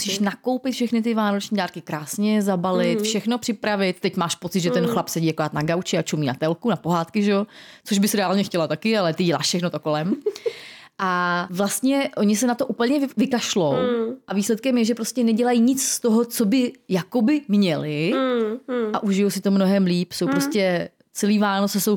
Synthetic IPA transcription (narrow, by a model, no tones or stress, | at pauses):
musiːʃnako̞wpɪt̪fʃɛxnɪt̪̬ɪvaːno̞t͡ʃɲiːdaːɾkɪkɾaːsɲɛzabalɪt̪fʃɛxno̞pr̥ɪpɾavɪt̪̚ːɛcmaːʃpo̞t͡sɪd̪ʒɛt̪ɛnxlapsɛɟiːjakoɾaːt̪naɡawt͡ʃɪat͡ʃumiːnat̪ɛlkunapo̞ɦaːt̪kɪʒɛot͡so̞ʒbɪsɾɛaːlɲɛxcɛlat̪akɪalɛt̪ɪɟɛla̰ːʃfʃɛxnot̪oko̞lɛm | ʔavlast̪ɲɛʔo̞ɲɪsɛnat̪oʔupl̩ɲɛvɪkaʃlo̞wʔaviːslɛt̪̚kɛmjɛʒɛpɾo̞scɛnɛɟɛlajiɲɪt͡sst̪oɦot͡sobɪjako̞bɪmɲɛlɪ | ʔaʔuʒɪjowsɪt̪omnoɦɛmliːpso̞wpɾo̞scɛ | t͡sɛliːvaːnot͡sɛso̞w